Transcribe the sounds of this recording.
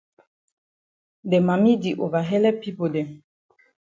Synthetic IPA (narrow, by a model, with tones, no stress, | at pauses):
dɛ˨ma˨mi˦di˨ʔo˨va˨ɦɛ˦lɛ˦pi˦po˨dɛ˨